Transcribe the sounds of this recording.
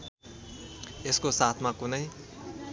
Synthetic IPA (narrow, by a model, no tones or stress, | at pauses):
eskosat̪ʰmãkunʌj